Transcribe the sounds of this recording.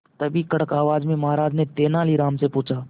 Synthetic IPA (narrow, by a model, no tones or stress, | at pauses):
t̪əbiːkəɽəkaːʋaːd͡ʒmẽməɦaːɾaːd͡ʒnẽt̪eːnaːliːɾaːmsepʊːt͡ʃaː